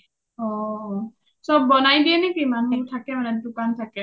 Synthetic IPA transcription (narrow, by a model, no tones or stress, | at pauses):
ɔ | sɔbːɔnajdiɛnɛkimanutʰakɛmanɛdʊkantʰakɛ